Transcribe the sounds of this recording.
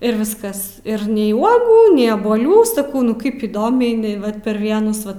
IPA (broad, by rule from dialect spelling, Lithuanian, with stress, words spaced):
ɪr ˈʋʲɪskɐs ɪr nʲɛɪ ˈuɔɡuː nʲɛɪ ɐbuɔˈlʲuː sɐˈkɐʊ nʊ ˈkɐɪp iːˈdoːmʲɛɪ ɪˈnɐɪ ˈʋɐt pʲɛr ˈʋʲiɛnʊs ˈʋɐ